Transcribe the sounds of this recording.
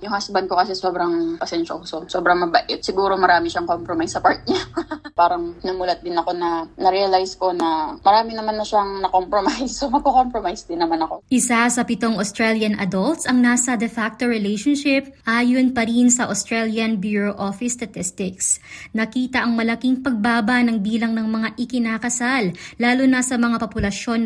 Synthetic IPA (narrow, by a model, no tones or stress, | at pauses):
jʊŋhasbɐnko̞kɐsɛsoːbɾɐŋpɐsɛnʃɐʔuːsosoːbɾɐŋmɐbɐʔɛt̪̚sɪɡuːɾo̞mɐɾaːmɪʃaŋkompɾomajsːɐpaɹt̪̚ɲapaːɾɐŋnɐmuːlɐt̪̚d̪ɪnɐko̞nɐnɐɾɛɐlajsko̞nɐmɐɾaːmɪnɐmanːɐʃaŋnɐkompɾomajsomɐɡ̚kokompɾomajsd̪ɪnːɐmanɐko̞ʔɪsasɐpɪt̪o̞ŋost̪ɾɛljɐnʔɐ̰d̪olt̪sɐŋnaːsɐd̪ɛfak̚t̪o̞ɹɛlɛjʃonʃɪp̚ʔaːjonpɐɾinsɐʔost̪ɹɛljɐnbjuɹoʔofɪst̪ɐt̪ɪst̪ɪksnɐkiːt̪ɐʔɐŋmɐlɐkiŋpɐɡ̚baːbɐnɐŋbiːlɐŋnɐŋmɐŋaʔɪkɪnaːkɐsalːaːlʊnɐsɐmɐŋapɐpʊlɐʃo̞n